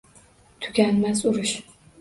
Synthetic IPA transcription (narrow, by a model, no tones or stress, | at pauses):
t̪ʰʊ̥kʲanmazʊɾʊʃ